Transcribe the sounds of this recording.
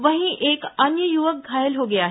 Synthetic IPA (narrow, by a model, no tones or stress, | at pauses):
ʋɐɦĩʔeːkɐɲjəjuʋək̚ɡʱaːjəlɦoːɡɐjaːɦ